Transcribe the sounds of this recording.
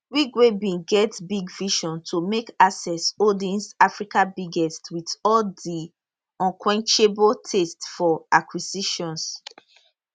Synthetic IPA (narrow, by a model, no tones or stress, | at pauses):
wikwebĩɡɛtbiɡviʃɔ̃ntʰumekasɛsodiɛ̃nsafɹikãbiɡɛstwitɔldi | ɔ̃nkʰwɛ̃nt͡ʃebotʰestfɔakʰwisiʃɔ̃ns